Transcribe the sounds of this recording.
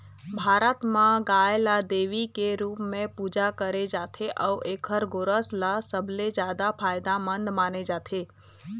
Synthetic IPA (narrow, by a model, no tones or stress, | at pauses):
bʱaːɾət̪mãɡaːjlad̪eːʋikeɾuːpmẽpuːd͡ʒakəɾed͡ʒaːt̪ʰeʔɔːʔeːkʰəɾɡoɾəslasəbʱled͡ʒjaːd̪apʰaːjd̪amə̃nd̪maːned͡ʒaːt̪ʰeː